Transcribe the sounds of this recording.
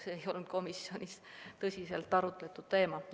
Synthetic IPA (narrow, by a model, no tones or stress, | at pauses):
seejo̞lnud̪̥̚ko̞misjo̞nʲist̪ɤsʲise̞lt̪ːˑɑɾut̪ˑle̞t̪ːˑud̪̥t̪ːe̞ːmɑ